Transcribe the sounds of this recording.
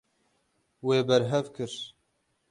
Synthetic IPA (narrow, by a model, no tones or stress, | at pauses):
weːbɛɾɦɛvkʰɨɾ